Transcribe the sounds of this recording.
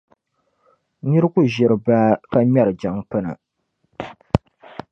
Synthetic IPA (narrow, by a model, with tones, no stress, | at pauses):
ɲi˦ɾɨ˦ku˦ʒɪ˨ɾɨ˨baː˦ka˦ɲɛ˦ɾɨ˨d͡ʒa˨ŋpɨ˦na̰˨